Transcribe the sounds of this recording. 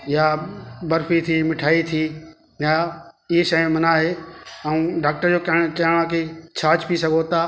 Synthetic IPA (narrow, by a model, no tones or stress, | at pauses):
jabɐɾfit̪ʰimɪʈʰaːit̪ʰiː | jaɪɦiʃɐĩmɐnaːɦeɐ̃ũːɖaːk̚ʈəɾd͡ʑoːkɐ̃kɐəɽ̃ãk̬it͡ɕʰaːt͡ɕpisɐɡʱot̪aː